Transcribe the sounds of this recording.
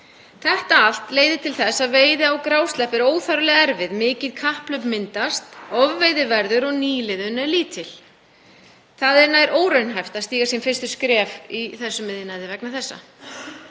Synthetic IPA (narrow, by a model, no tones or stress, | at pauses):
θɛht̪aal̥t̪leːjðɪt̪ʰɪlθɛsːaðveːjðɪawkɾaːwst̪lɛhpɛɾoːwθaɾʏlɪɣɛɾvɪðmɪːcɪðkʰahplœɥpmɪnt̪ast̪ɔvːejðɪvɛɾðʏɾɔɣniːlɪðʏnɛɾliːt̪ʰɪl | θaðɛɾnaːjɾʔoːwɾœɥnɦajft̪aðst̪iːɣasiɛmfɪrst̪ʏskɾɛːviθɛsːʏmɪðjɪnaðɪvɛknaθɛsːa̰